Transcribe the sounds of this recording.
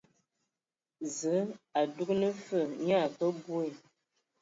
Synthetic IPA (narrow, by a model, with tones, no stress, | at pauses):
zə˨˦a˨du˦knə˦fə˦˨ɲa˦˨kə˦bu˦e˨